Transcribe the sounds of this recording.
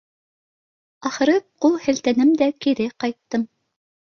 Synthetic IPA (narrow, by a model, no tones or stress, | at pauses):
ɑχɤ̆ɾɤqulˠhɘ̆lt̪ænɘmd̪ækiɾɘqɑjt̪ːɤm